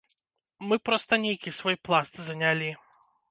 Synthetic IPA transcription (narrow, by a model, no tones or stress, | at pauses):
mɨpɾɔst̪ɐnʲejkʲisvɔjplˠast̪zɐnʲalʲi